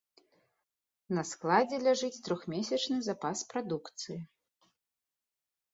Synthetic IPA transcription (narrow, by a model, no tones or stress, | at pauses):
nɐsklˠad͡zʲɛlʲaʐɨt͡sʲt̪ɾɔxmʲesʲɐt͡ʂnɨzapaspɾad̪ukt̪sɨji